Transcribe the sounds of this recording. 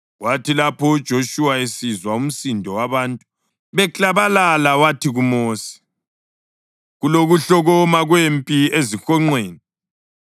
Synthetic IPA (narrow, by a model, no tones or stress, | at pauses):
ɣwatʰilapɔud̥ʒ̥ʱoʃuwaesizwaum̩sindʱɔwaβaːntʼu | βɛt͡ɬʼaβalalawatʰiɣumoːsi̥ | ɣuloɣuɬɔɣɔmaɣwempʼiezixɔŋ͡ǀweːni